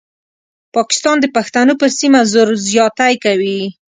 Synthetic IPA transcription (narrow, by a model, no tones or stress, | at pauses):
pɑkɪ̥st̪ɑnd̪əpaxt̪anopəɾsimazoɾzjɑt̪ajkawi